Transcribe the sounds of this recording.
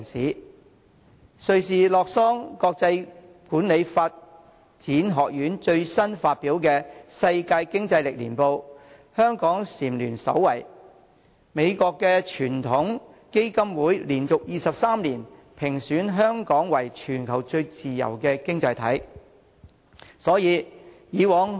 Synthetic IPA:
ŋsiː˨˥ | sɵ˧ɥsiː˨˧lɔː˨k̚sɔː˥ŋkɔː˧k̚t͡sɐ˧j | kuː˨˥nle˨˧jfaː˧t̚ | t͡siː˨˥nɦɔː˨k̚jyː˨˥nt͡ʃɵ˧ɥsɐ˥nfaː˧t̚piː˨˥wkɛː˧sɐ˧jkaː˧jkɪ˥ŋt͡sɐ˧jlɪ˨k̚lḭː˨˩npo˧w | hœː˥ŋkɔː˨˥ŋsiː˨˩mlyː˨˩nsɐ̰˨˥wwɐ˨˩j | me˨˧jkɔː˧kːɛː˧t͡ʃʰyː˨˩nt̪ʰʊ˨˥ŋke˥jkɐ˥mwuː˨˥jliː˨˩nt͡sʊ˨k̚jiː˨˧sɐ˨p̚saː˥mliː˨˩n | pʰɪ˨˩ŋsyː˨˥nɦœː˥ŋkɔː˨˥ŋwɐ˨˩jt͡ʃʰyː˨˩nkʰɐ˨˩wt͡ʃɵ˧ɥt͡siː˨jɐ̰˨˩wkɛː˧kɪ˥ŋt͡sɐ˧jt̪ʰɐ̰˨˥j | sɔː˨˥jiː˨˧jiː˨˧wɔː˨˥ŋ

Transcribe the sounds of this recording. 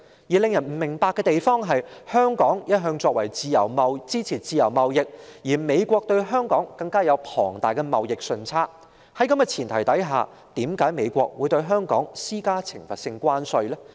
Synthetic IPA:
jiː˨˩lɪ˨˧ŋjɐ˨˩nm̩˨˩mɪ˨˩ŋpaː˧kːɛː˧t̪e˨jfɔː˥ŋɦɐ˨jhœː˥ŋkɔː˨˥ŋjɐ˥t̚ɦœː˧ŋt͡ʃɔː˧k̚wɐ̰˨˩jt͡siː˨˧jɐ˨˩wmɐ˨wt͡siː˥t͡sʰiː˨˩t͡siː˨jɐ˨˩wmɐ˨wjɪ˨k̚jiː˨˩me˨˧jkʷɔː˧k̚t̪ɵ˧ɥɦœː˥ŋkɔː˨˥ŋkɐ˧ŋkaː˥jɐ˨˧wpʰɔ̰ː˨˩ŋt̪aː˨jkɛ˧mɐ˨wjɪ˨k̚sɵ˨˧nt͡sʰaː˥t̚ | hɐ˨˥jkɐ˧˥mjɐ˨˩t͡sʰiː˨˩nt̪ʰɐ˨˩jt̪ɐ˨˥jɦa̰ː˨ | t̪iː˨˥mkaː˨˥jme˨˧jkʷɔ̰ː˧k̚wuː˨˧jt̪ɵ˧ɥɦœː˥ŋkɔ̰ː˨˥ŋsiː˥kaː˥t͡sʰɪ˨˩ŋfɐ˨t̚sɪ˧ŋkʷaː˥nsɵ˧ɥlɛː˥

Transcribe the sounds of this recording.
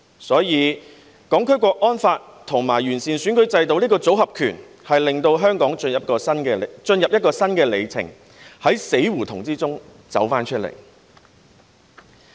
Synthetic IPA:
sɔː˨˥jiː˨˧ | kɔː˨˥ŋkʰɵ˥kʷɔː˧k̚ʔɔː˥nfaː˧t̚t̪ʰʊ˨˩ŋmaː˨˩jɥyː˨˩nsiː˨˩nsyː˨˥nkɵ˨˥ɥt͡sɐ˧jt̪o˧wliː˥kɔː˧t͡so˨˥wɦɐ˨p̚kʰyː˨˩n | hɐ˨jlɪ˨ŋt̪o˧wɦœː˥ŋkɔː˨˥ŋ˧jɐ˨˩p̚kɔː˧sɐ˥nkɛ˧˨t͡ʃɵ˧njɐ˨p̚jɐ˥tkɔː˧sɐ˥nkɛː˧le˨˧jt͡sʰɪ̰˨˩ŋ | hɐ˨˥jse˨˥jwuː˨˩t̪ʰʊ˨˩ŋt͡siː˥t͡sʊ˥ŋ | t͡sɐ̰˨˥wfaː˥nt͡ʃʰɵ˥t̚lḛ˨˩j

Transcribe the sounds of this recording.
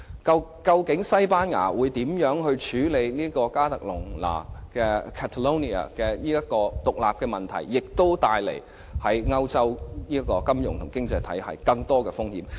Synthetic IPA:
kɐ˧kɐ˧wkɪ˨˥ŋsɐ˥jpaː˥nŋa̰ː˨˩wuː˨˧jt̪iː˨˥mjœː˨˥ŋɦɵ˧ɥt͡ʃʰyː˨˥le˨˧jniː˥kɔː˧kaː˥t̪ɐ˨k̚lʊ˨˩ŋla̰ː˨˩kɛː˧kʰɛː˧t̪ʰɐ˨lo˥ni˨a̰˨˩kɛː˧niː˥jɐ˥kɔː˧t̪ʊ˨k̚la̰ː˨p̚kɛː˧mɐ˨˩nt̪ʰɐ̰˨˩jːɪ˨k̚t̪o˥wt̪aː˧jlḛ˨˩j | hɐ˨˥jŋɐ˥wt͡sɐ˥wniː˥ɐ˥kːɔː˧kɐ˥mjʊ̰˨ŋt̪ʰʊ˨˩ŋkɪ˥ŋt͡sɐ˧jt̪ʰɐ˨˥jhɐ̰˨jkɐ˧ŋt̪ɔː˥kɛː˧fʊ˥ŋhḭː˧˥m

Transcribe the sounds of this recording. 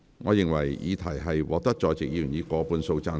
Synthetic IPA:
ŋɔː˨˧jɪ˨ŋwɐ̰˨˩jjiː˨˧t̪ʰɐ˨˩jɦɐ˨jwʔɔ̰ː˨˧˥t̪ɐ˥k̚t͡ʃɔː˧jt͡sɪ˨k̚jiː˧jy˨˩niː˨˧kɔː˨˧˥puː˨˧nso˧wt͡saː˧

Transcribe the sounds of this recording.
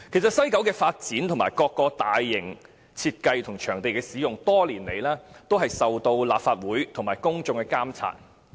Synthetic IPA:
kʰe˨˩js̬ɐ˨t̚sɐ˥jkɐ˨˥wkɛː˧faː˧t̚t͡siː˨˥nt̪ʰʊ˨˩ŋmaː˨˩jkɔː˧kːɔː˧t̪aː˨jːɪ˨˩ŋ | t͡sʰiː˧t̚kɐ˧jt̪ʰʊ˨˩ŋt͡ʃʰœː˨˩ŋt̪e˨jkɛː˧siː˨˥jʊ˨ŋt̪ɔː˥liː˨˩nle˨˧jlɛː˥t̪o˥wɦɐ˨jsɐ˨wt̪o˧wla̰ː˨p̚faː˧t̚wuː˨˥jt̪ʰʊ˨˩ŋmaː˨˩jkʊ˥ŋt͡sʊ˧ŋkɛː˧kaː˥mt͡sʰa̰ː˧˩n̚

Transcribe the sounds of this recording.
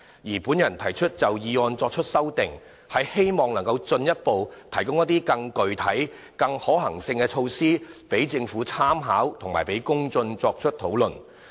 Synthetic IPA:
jiː˨˩puː˨˥njɐ˨˩nt̪ʰɐ˨˩jt͡ʃʰɵ˥t̚t͡sɐ˨wjiː˨ɔː˧nt͡sɔː˧k̚t͡ʃʰɵ˥t̚sɐ˥wt̪ɪ˨ŋ | hɐ˨jhe˥jmɔː˨ŋlɐ˨˩ŋkɐ˧wt͡sɵ˧njɐ˥t̚po˨wt̪ʰɐ˨˩jkʊ˥ŋjɐ˥t̪iː˥kɐ˧ŋkɵ˨ɥt̪ʰɐ˨˥j | kɐ˧ŋhɔː˨˥ɦɐ˨˩ŋsɪ˧ŋkɛ˧t͡ʃʰo˧wsiː˥pe˨˥jt͡sɪ˧ŋfuː˨˥t͡sʰaː˥mɦa̰ː˨˥wt̪ʰʊ˨˩ŋma̰ː˨˩jpe˨˥jkʊ˥ŋt͡sɵ˧nt͡sɔː˧k̚t͡ʃʰɵ˥t̚t̪ʰo˨˥wlɵ˨n

